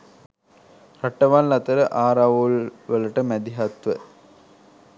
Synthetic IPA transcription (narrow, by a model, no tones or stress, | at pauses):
ɾɐʈːɐʋaːnlɐt̪ɐɾɐʔaːɾaʋulʋəlɐʈɐmɛd̪iɦɐt̪ʋə